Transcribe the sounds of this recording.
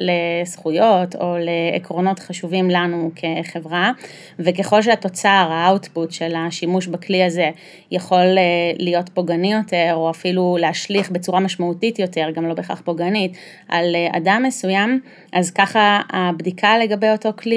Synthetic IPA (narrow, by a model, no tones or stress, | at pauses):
le̞sχujo̞to̞leːkʁo̞no̞tχaʃuvimlanukʰe̞χe̞vʁa | vek̬e̞χo̞lʃ̬eato̞t͡saʁaawtputʃelaʃimuʃbakliaze̞ | jaχo̞lelːijo̞tpoɡanijo̞te̞ʁo̞afiluleɦaʃliχbe̞t͡suʁamaʃmautitjo̞te̞ʁɡamlo̞beχa̰χpo̞ɡanit | ʔalea̰damːesujam | ʔazkaχaabdikʰale̞ɡabejo̞to̞kli